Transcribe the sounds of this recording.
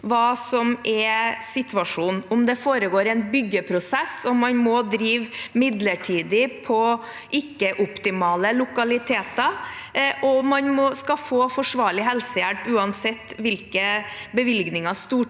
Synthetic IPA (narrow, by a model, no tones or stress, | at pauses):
ʋɑːsɔmɛsɪt̪ʋɑʂuːnʊmd̪ɛfoːɾəɡoːɾɛnbʏɡːəpʰɾʊsɛsɔmɑnmɔd̪ɾiːʋmɪd̪ləʈʰiːd̪ɪpʰɔ | ʔɪkːəʔʊpt̪ɪmɑːləlʊkɑlɪt̪ʰeːt̪ɑ | ʔɔmɑnmɔskɑfoːfɔʂʋɑːɭɪɦɛlsəjælpʉːɑnsɛt̪ːʋɪlkəbəʋɪlɡnɪŋɑst̪uː